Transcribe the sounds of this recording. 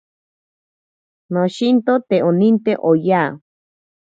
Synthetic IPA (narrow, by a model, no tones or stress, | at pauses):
noʃint̪ot̪eonint̪eʔojaː